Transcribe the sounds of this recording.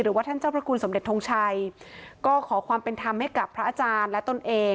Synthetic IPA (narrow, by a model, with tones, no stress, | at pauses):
ɾɯː˩˦waː˥˩t̪ʰa˥˩nt͡ɕaː˥˩pʰɾa˦˥kʰu˧nso˩˦mde˨˩t̪ʰːo˧ŋt͡ɕʰa˧jkɔː˥˩kʰɔː˩˦kʰwaː˧mpe˧nt̪ʰa˧mha˥˩jka˨˩pʰɾa˦˥ʔaː˧t͡ɕaː˧nlɛ˦˥t̪o˧˩nʔeː˧